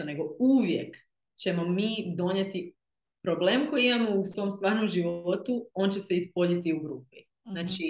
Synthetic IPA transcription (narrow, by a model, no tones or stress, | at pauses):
ne̞ɡo̞uʋje̞k | t͡ɕe̞mo̞miːd̪o̞ɲet̪i | pɾobleːmko̞jiimamo̞usʋo̞ːmst̪ʋaːɾnomʒiʋo̞t̪uo̞ːnt͡ɕe̞se̞ispo̞ʎit̪iuɡɾuːpi | naːt͡ʃi